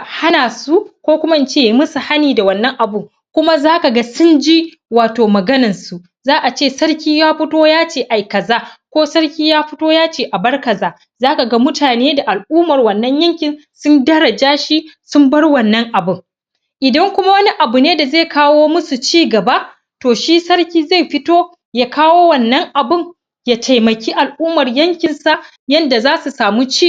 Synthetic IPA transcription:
ha˦naː˨su˦kʷoː˦kʷʊ˦ma˦ʔɪ˦˨nt͡ʃeː˦˨ji˨˦mʊ˦su˨ha˦niː˨da˨wɐ˦˨nːɐ˦ŋʔa˨bʊ˦ŋ | kʷʊ˦ma˦zaː˦ka˨ɡa˦sʊ˦nd͡ʒi˦ | waː˨toː˨mɐ˨ɡɐ˦nɐ˨nsu˨ | zaː˦ʔa˨t͡ʃeː˦˨sɐ˦ɽkʲiː˦jaː˦ɸʊ˦toː˦jaː˦t͡ʃeː˦ʔa˨jkɐ˨zaː˦kʷoː˦sɐ˦rkʲiː˦jaː˦ɸʊ˦toː˦jaː˦t͡ʃeː˦ʔa˨bɐ˦rkɐ˨zaː˦ | zaː˦ka˨ɡɐ˦mʊ˦taː˨neː˦da˨ʔa˨lʔuː˦mɐ˨rwɐ˨nːɐ˦ɲjɐ˦ŋkʲɪ˨n | sʊ˦ndɐ˦ɾɐ˨d͡ʒaː˦ʃi˦sʊ˦mbɐ˦rwɐ˦nːɐ˦ŋʔa˨bʊ˦˨ŋ | ʔɪ˨dɐ˦ŋkʷʊ˦ma˦wɐ˦ni˦ʔa˨bu˨neː˦da˨zeː˦˨kaː˦woː˦mʊ˦su˨t͡ʃiː˦ɡɐ˨ba˦ | toː˨ʃi˦sɐ˦ɽkʲiː˦za˦˨jɸɪ˦toː˦ | jaː˦kaː˦woː˦wɐ˨nːɐ˦ŋʔa˨bʊ˦ŋ | ja˦tʰa˨jmɐ˨kʲiː˦ʔa˨lʔuː˦mɐ˨rjɐ˦ŋkʲɪ˨nsa˨ʔ | jɐ˦nda˨zaː˦su˨saː˨mu˦t͡ʃiː˦

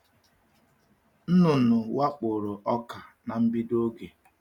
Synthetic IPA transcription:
n̩˦nʊ˨nʊ˨wa˦k͡pʊ˨ɾʊ˨ʔɔ˦ka˨na˨m̩˦bi˦do˦ɡe˨

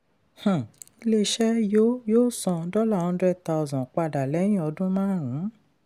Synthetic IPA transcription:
h̩˨i˧le˦ʃɛ˦jo˦joː˦˨sɔ̃˧dɔ˦la˦˨ɔ̃˧˦dɾɛ˦ta˧o˧zɔ̃˨k͡pa˧da˨lɛ˨˦j̃ĩ˦˨ɔ˧dũ˦mãː˦˨ɾ̃ĩ˨˦

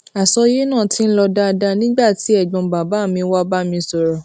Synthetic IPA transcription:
a˨sɔ˧je˦nãː˦˨ti˧n̩˦lɔ˧da˦˧da˧nĩ˦ɡ͡ba˦˨ti˨˦ɛ˦˨ɡ͡bɔ̃˨ba˨ba˨˦˨mĩ˧˦wa˦ba˦mĩ˧sɔ˨ɾɔ˨

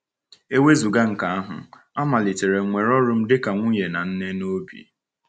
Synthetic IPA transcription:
e˦we˦zu˨ɡa˦ŋ̩˨ka˨a˦ɦʊ̰˨ | a˦ma˨li˨te˨ɾe˨ŋʷe˨ɾɔ˦ɾʊ˦m̩˦dɪ˦ka˨ŋʷʊ˦ɲe˨na˨n̩˦ne˦no˦bḭ˨

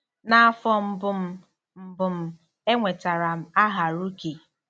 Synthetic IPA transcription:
na˦a˦fɔ˦m̩˦bʊ˦m̩˦ | m̩˦bʊ˨m̩˦ | e˦ŋʷe˨ta˨ɾa˨m̩˦a˦ɦa˨ɾu˦ke˨

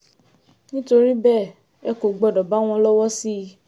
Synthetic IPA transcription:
nĩ˦to˧ɾi˦bɛ˦˨ | ɛ˨ko˨ɡ͡bɔ˨dɔ˨ba˨˦w̃ɔ̃˧lɔ˦wɔ˦si˦

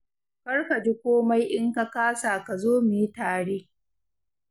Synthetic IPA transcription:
kɐ˦ɽka˨d͡ʒi˦kʷoː˦ma˦jʔɪ˦ŋka˦kaː˦saː˨ka˨zoː˦miː˦taː˨ɽeː˦

